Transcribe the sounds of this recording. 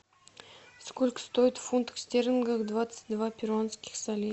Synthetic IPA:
skolʲkə̥st̪oɪt̪funt̪ə̥ksʲt̪ʲerənɡəxd̪vat̪sɨ̥tʲd̪vapʲɪɾonskʲɪ̥xsalʲi

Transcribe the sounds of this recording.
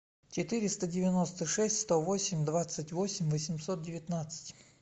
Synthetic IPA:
t͡ɕɪt̪ɨɾʲɪst̪ədʲɪvʲɪno̞st̪əʂɛsʲtʲst̪ovosʲɪmʲd̪vat̪sətʲvo̞sʲɪmʲvəsʲɪmsot̪̚dʲɪvʲɪt̪nat̪sɨ̥tʲ

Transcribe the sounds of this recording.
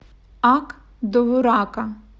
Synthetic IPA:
ɑk | d̪ɔʋʊɾɑkɐ

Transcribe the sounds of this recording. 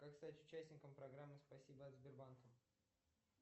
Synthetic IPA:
kakst̪atʲʊt͡ɕæsʲnʲɪkəmpɾɐɡɾamːɨspɐsʲibəɐd̪zʲbʲɪrbankəm

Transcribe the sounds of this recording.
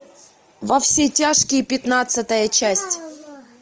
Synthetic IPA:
vɐfsʲetʲaʂkʲɪjpʲɪt̪nat̪sɨt̪əjət͡ɕæsʲtʲ

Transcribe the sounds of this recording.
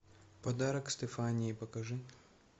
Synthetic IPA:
pɐd̪aɾɐkst̪ɛfanʲɪjːpɐkɐʐɨ

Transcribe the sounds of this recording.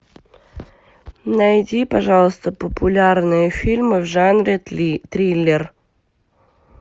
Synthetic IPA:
nɐjdʲipɐʐɑlˠəst̪əpəpʊlʲarnɨjəfʲilʲmɨvʐanɾʲɪt̪ɾʲilʲːɪr

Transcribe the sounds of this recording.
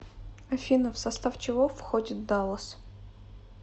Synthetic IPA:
ɐfʲinəfsɐst̪aft͡ɕɪvofxodʲɪt̪̚d̪alˠəs

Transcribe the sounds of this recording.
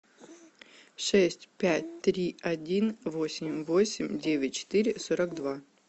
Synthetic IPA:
ʂɛsʲtʲpʲætʲt̪ɾʲiɐdʲinvo̞sʲɪmʲvosʲɪmʲdʲevʲɪtʲt͡ɕɪ̥t̪iɾʲɪsoɾəkd̪va

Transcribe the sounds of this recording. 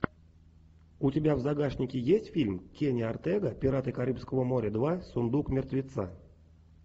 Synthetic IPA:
utʲebʲavzaɡaʂnʲɪkʲɪjesʲtʲfʲilʲmkʲenʲart̪ɛɡəpʲiɾat̪ɨkaɾʲɨpskəvəmoɾʲəd̪vasund̪ukmʲɪrt̪vʲɪt̪sa̰

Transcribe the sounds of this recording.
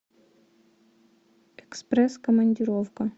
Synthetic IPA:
ɛksprɛskəmɐnʲdʲiɾofkɐ

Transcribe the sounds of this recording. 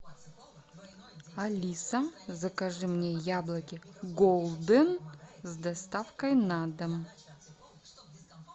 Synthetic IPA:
alʲisazɐkaʐɨmnʲejablˠɐkʲiɡolˠd̪ɨnzd̪ɐst̪afkɐjnad̪ɐm

